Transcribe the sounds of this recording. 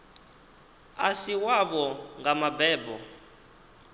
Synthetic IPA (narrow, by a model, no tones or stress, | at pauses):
asiwaβɔŋɡamabɛːbɔ